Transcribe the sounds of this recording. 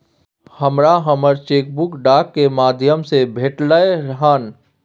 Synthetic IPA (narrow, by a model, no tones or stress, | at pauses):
hɐmɾaɦɐməɾt͡ʃeːk̚bʊkɖaːkːemaːd̪ʱjəmsebʱeːʈlaeɾɦaːn